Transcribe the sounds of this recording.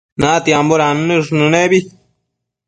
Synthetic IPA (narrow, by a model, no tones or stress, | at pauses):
nãt̪iamboɾannɨʐnɨ̃nẽbi